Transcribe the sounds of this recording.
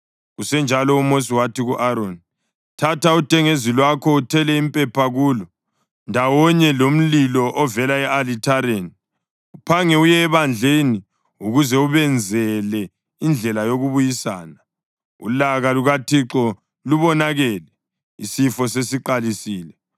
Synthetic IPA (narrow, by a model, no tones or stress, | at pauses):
ɣusɛnd͡ʒʱalɔumos̬iwatʰiɣuʔaɾoni | tʰatautʰʼɛŋezilwakʰɔutʰɛlɛimpʼɛpʰaɣuːlɔ | ndʱawɔɲɛlom̩lilɔʔɔvɛlaɛalitʰaɾeni | upʰaŋɛujɛːβand͡ɮʱeni | uɣuzɛuβɛnd͡zʱɛlɛ | ind͡ɮʱɛlajoɣuβujisa̰ːna | ṵlaɣaluɣatʰiǁɔ | luβɔnaɣɛːlɛ | isifɔsesiǃalisiːlɛ